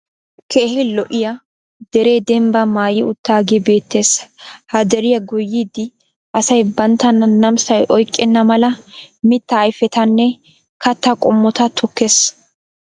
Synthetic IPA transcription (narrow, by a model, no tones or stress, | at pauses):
kʰeːhɪlɔʔɪjɐ | d̪ɛɾe̞ːd̪ɛmbɐmaːjɪʊt̪ːaːɡɪbe̞ːt̪ːe̞ːshɐd̪ɛɾɪjɐɡʊjːiːd̪ɪ | ʔɐsɐjbɐnt̪ːɐnɐnɐmsɐjʔɔjkʼːɛnːɐmɐlɐmɪt̪ːɐːjfɛt̪ɐnːɛ | kɐt̪ːɐkʼɔmːɔt̪ɐt̪ʰʊkːes